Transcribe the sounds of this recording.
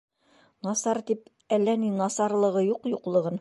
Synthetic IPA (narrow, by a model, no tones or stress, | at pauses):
nɑsɑɾt̪ip | ælːæninɑsɑɾlˠɤ̆ʁɤjuqjuqlˠɤ̆ʁɤn